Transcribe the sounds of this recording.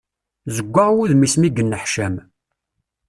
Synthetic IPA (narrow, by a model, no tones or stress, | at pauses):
zəɡʷːəʁwuðmismiɡənːəħʃæm